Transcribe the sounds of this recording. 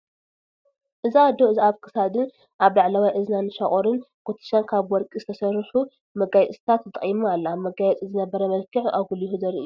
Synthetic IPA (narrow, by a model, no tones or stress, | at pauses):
ʔɨziad̪oɨziaβkʰɨ̥sad̪ɨn | ʔaβlaʕlawajʔɨznanɨʃɐχʼoɾɨnkʰot̪ʰi̥ʃankʰaβwɔɾkʼizɨt̪ʰɐsɐrːɨħu | mɐɡajɛt͡sʼsʼt̪ʰat̪ɨt̪ʼɐχʼimualːɐamɐɡajɛt͡sʼizɨnɐbɐɾɐmɐlkʰɨʕaɡulihuzɐɾiʔɨjːu